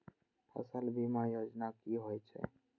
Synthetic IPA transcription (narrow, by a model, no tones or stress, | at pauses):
pʰə̰səlbʱimajod͡ʒnakiɦojt͡ʃʰɛ̰